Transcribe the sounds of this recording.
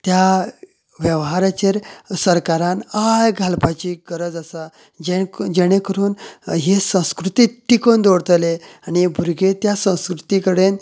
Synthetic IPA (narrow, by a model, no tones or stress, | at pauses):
t̪ja | ʋjəʋɦaɾat͡ɕeɾsəɾkaɾanajɡʱalpat͡ɕiːɡəɾəd͡zəsa | d͡ʑed͡ʑeɽ̃ekəɾuːnɦesə̃w̃skɾut̪iʈ̪ːikond̪oɽt̪leañibʱuɾɡet̪jasə̃w̃skɾut̪ikəɽen